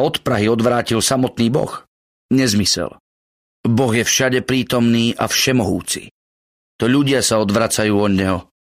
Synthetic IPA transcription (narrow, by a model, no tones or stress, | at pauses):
ɔt̪pɾaɦiɔd̪ʋɾaːcilsamɔt̪niːbɔ̰x | ɲɛzmisɛ̰l | bɔɣjɛfʃaɟɛpɾiːt̪ɔmniːʔafʃɛmɔɦṵːt͡sḭ | t̪ɔʎuɟɪasaɔd̪ʋɾat͡sajuːɔd̪ɲɛɦɔ